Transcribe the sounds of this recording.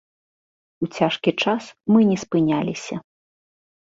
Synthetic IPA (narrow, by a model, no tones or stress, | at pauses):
ut͡sʲaʂkʲit͡ʂasmɨnʲɛspɨnʲalʲisʲɐ